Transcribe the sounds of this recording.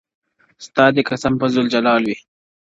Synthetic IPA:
st̪ɑːd̪ekɐsɐmpɐzuld͡ʒɐlɑːlwi

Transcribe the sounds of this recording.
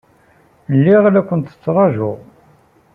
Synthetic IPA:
lːiʁlækʷːənt̪ə̥t͡sːɾˤɑʒʊʁ

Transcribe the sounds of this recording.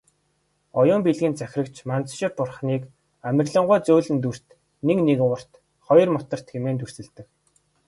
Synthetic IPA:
ɔjʊːmpiɮɣĭːnt͡sæxʲrə̆kt͡ɕʰmant͡sʃɪ̆pʊrχniːk | æmʲɪ̆rɮə̆ɴʁʊːt͡soːɮɘ̆nt̪ur̥t̪ | neknekʊr̥t̪ | χɔjɞ̆rmʊt̪ə̆r̥t̪xemeːnt̪ursɘ̆ɮt̪ɘ̆k

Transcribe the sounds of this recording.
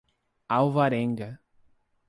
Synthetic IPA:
awvaɾẽŋɡɐ

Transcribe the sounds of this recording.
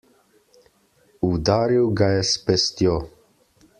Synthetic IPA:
ud̪aːɾiwɡajɛspɛst̪jo

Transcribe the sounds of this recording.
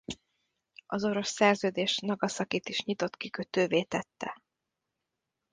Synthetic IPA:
ɒzo̞ɾo̞sːɛrzøːd̪eːʃnɒɡɒsɒkit̪iʃɲit̪o̞t̪kikøt̪øːveːt̪ɛt̪ːɛ̰

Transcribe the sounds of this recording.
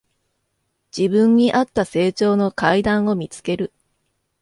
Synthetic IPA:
d͡ʑ̥ibɯ̟̃ɲːiʔat̪ːase̞ːt͡ɕo̞ːno̞kaid̪ãɰ̃o̞mʲit͡sɨ̥ke̞ɾɯ̟

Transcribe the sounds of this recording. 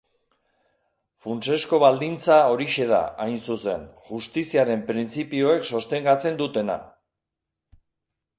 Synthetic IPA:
funt͡ʃe̞sko̞βald̪int͡sao̞ɾiʃe̞ð̞a̰ʔajnsuse̞̰nʝust̪isiaɾe̞mpɾint͡sipio̞ekso̞st̪e̞ŋɡat͡se̞nd̪ut̪e̞na̰

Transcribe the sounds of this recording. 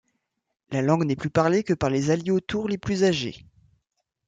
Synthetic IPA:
lalɑ̃ɡnɛplypaʁlekəpaʁlezaljeot̪uʁleplyzaʒḛ

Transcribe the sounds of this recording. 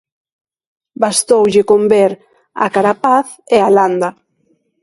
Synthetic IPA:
bast̪owʎɪkombeɾ | a̰kaɾapaθ | ealand̪a

